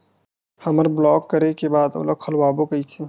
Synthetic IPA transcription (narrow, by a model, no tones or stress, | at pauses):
hɐməɾblɔːkːəɾekebaːd̪o̰ːlɐkʰəlwaːbokəit͡ʃʰe